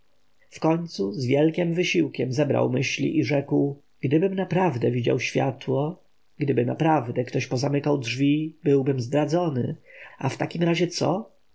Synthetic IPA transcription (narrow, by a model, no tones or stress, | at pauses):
fkɔɲt̪suzvʲjɛlkʲɛmvɘɕiwkʲɛmzɛbɾa̰wmɘɕlʲḭʔiʐɛkw | ɡ̥d̪ɘbɘmnapɾavd̪ɛvʲid͡ʑa̰wɕfʲjat̪wɔ | ɡ̥d̪ɘbɘna̰pɾavd̪ɛkt̪ɔɕpɔzamɘkawdʐvʲibɘwbɘmzd̪ɾad̪zɔnɘ̰aft̪akʲimɾaʑɛt̪sɔ̰